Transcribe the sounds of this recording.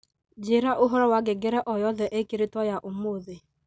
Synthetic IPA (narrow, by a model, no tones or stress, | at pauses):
d͡ʒiɾaʔʊɦʊɾɔwaɡɪɡeɾeʔɔjɔðɔʔekiɾitɔjaʔʊmoðe